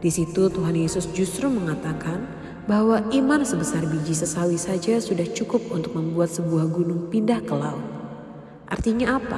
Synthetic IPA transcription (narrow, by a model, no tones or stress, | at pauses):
d̥isit̪ut̪uɦanjesʊsd͡ʒust̪ɾuməŋat̪akan | baɦwaʔimansəbəsarbid͡ʒisəsawisad͡ʒasudaht͡ʃukʊp̚unt̪ʊk̚məmbuat̪̚səbuahɡunʊŋpindahkəla̰u | ʔa̰rt̪iɲaːpa̰